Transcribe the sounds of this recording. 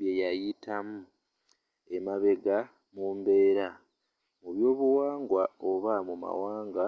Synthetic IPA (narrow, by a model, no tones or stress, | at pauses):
jejajitʰamu | e̞maβe̞ɡa | muːmbe̞ːɾa | muβjo̞ːβuwaːŋɡwaoβamuma̰waːŋɡa